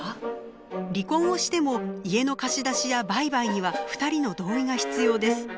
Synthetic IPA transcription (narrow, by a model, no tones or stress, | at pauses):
ɾʲikõ̞ɰ̃o̞ɕi̥t̪e̞mo̞ie̞no̞kaɕid̪aɕijabaibaiɲ̟iβaɸɯ̥t̪aɾʲino̞d̪o̞ːiɡaçi̥t͡sɨjo̞ːd̪e̞sɨ̥